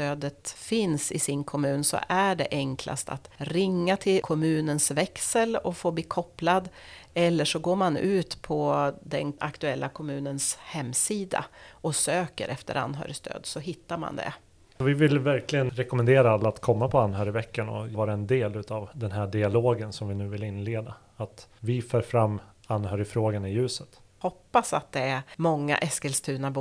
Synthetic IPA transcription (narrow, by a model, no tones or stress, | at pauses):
t̪øːd̪ət̪fɪnsɪsɪnkʰɔmʉ̟ːnsɔ̰ʔæɖɛ̰ʔɛŋkʰla̰st̪a̰t̪ɾɪŋːat̪ʰɪlkʰɔmʉ̟ːnənsvɛksəlɔfoːbliːkʰɔpːlad̪ɛlːəʂɔɡoːɾmanʉ̟ːt̪pʰɔd̪ɛnakt̪ɵɛlːakʰɔmʉ̟ːnənshɛmːsiːd̪a̰ɔsøːkə̰ɾʔɛft̪ə̰ɾʔa̰nːɦœ̰ːɾɪst̪ʰø̰ːd̪sɔɦɪt̪ːaɾma̰nd̪ɛ̰ | ɔvɪvɪlvæɾkʰlɪɡənɾɛkɔmɛnd̪eːɾaalːaːt̪kʰɔmːapʰɔanːɦœːɾɪvɛkːanɔ̰vɑːɾaɛnd̪eːlʉ̟ːt̪avd̪ɛnɦæɖɪaloːɡənsɔmvɪnʉ̟ːvɪlɪnːleːd̪a | at̪vɪfœːɾfɾamːanhœːɾɪfɾoːɡanɪjʉ̟ːsət̪hɔpːasat̪̚d̪ɛæmɔŋːa̰ʔɛskɛlst̪ʰʉ̟ːnab